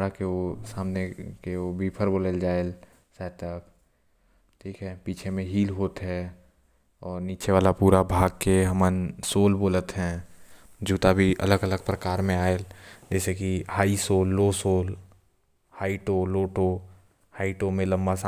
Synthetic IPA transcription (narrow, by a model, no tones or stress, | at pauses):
ɽakeosaːmnekeobʱiːpʰəɾboːleld͡ʒaːel | saːt̪ək | ʈʰiːkɦɛːpiːt͡ʃʰemẽɦiːlɦoːt̪ɦɛ | ɔːɾniːt͡ʃeʋaːlapuːɾabʱaːɡ̚keɦəmənsoːlboːlət̪ɦɛ̃ː | d͡ʒuːt̪abʱiʔə̰ləɡələɡ̚pɾəkaːɾmẽaːeld͡ʒɛːsekihaːisoːlːoːsoːl | haːiʈoːloːʈo | haːiʈomẽlə̃mbasa